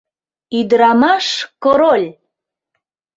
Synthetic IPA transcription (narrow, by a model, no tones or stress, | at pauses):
yd̪əɾɑmɑʃkoɾolʲ